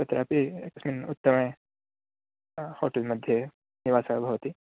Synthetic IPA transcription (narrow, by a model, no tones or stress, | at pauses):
sɐt̪ɾʔa̰ːpiekə̥sminut̪ːəmɳẽ | hoːʈelməd̪ʱːje | niʋaːsabʱɐʋt̪i